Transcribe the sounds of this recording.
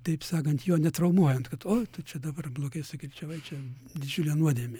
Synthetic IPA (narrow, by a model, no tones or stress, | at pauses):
t̪ɐɪpsɑːkɐnt̪joːnʲɛt̪ɾɐʊmuɔjɛnt̪kɐt̪oːt̪ʊt͡ʃʲɛd̪ɐbɐrblˠoːɡɐɪsʊkʲɪlʲt͡ʃʲɛʋɐɪt͡ʃʲɛ | d̪ʲɪd͡ʒʲʊlʲɛnuɔd̪ʲiɛmʲɪ